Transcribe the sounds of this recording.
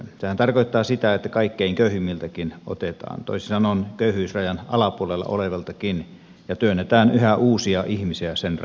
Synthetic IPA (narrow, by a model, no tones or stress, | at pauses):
sehænt̪ɑrkoˑit̪ːɑːsit̪æet̪ːækɑikːeiŋkøˑyhymːilt̪ækino̰t̪et̪ɑ̰ːnt̪o̰isisɑnonkøˑyhyˑːsrɑjɑnʔɑlɑpuolelːɑ̰o̰leʋɑlt̪ɑkin | jɑt̪yønːet̪æːnyhæʔuːsiɑʔihmisiæsenr